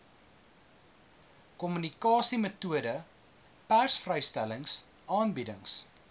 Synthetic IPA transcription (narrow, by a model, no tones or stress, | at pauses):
kɔmynikɑːsimətuədə | pærsfrəjstæləŋs | ʔɑːnbidəŋs